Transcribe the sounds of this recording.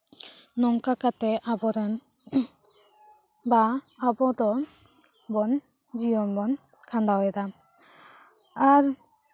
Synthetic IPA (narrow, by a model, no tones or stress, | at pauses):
nɔŋkakateʔabɔɾan | baːbɔd̪ɔ | bɔn | d͡ʒijɔnbɔnkʰand̪awɛda | aɾ